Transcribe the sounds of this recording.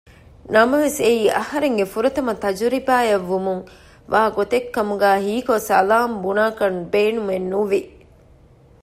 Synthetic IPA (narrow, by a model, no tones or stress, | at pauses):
nɐmɐʋeseiːʔɐhɐɾeŋɡefuɾɐt̪ɐmɐt̪ɐd͡ʒuɾibaːjɐʋːumuŋ | ʋaːɡot̪ekːɐmuɡæːɦiːkosɐlaːmbunaːkɐnbeːnumenːuʋi